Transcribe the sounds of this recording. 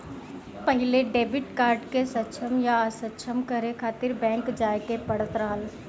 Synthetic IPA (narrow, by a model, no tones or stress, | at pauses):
pəɦɪleɖeːbɪʈkaːɾɖkesətːʃʰəmjaːsətːʃʰəmkɐɾekʰaːt̪ɪɾbɛ̃ːŋkd͡ʒaːekepɐɽət̪ɾaːl